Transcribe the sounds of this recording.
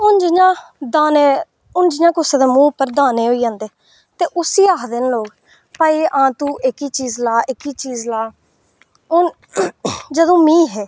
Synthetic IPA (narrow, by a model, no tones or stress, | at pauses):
ʊnd͡ʒɪɲãːd̪aːneː | ʊnd͡ʒɪɲãːkʊseːd̪eːmũːpəɾd̪aːneːɦoːiːd͡ʒãːnd̪eː | t̪eːʔʊsiːaːkd̪enloːɡ | pəːiːʔãːt̪ũːʔɪkiːt͡ʃiːzlaːʔɪkiːt͡ʃiːzlaː | ʊn | d͡ʒəd̪õːmĩːɦɛː